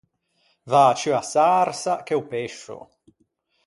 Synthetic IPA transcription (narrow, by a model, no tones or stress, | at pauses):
vaːt͡ʃyasaɾsak̟eupeʃːʊ̰